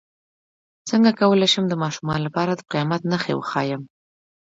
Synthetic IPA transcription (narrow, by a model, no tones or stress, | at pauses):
t͡səŋɡakawəlajʃəmd̪əmɑʃumɑnlapɑɾad̪əqijɑmat̪naxḛwə̰xɑjəm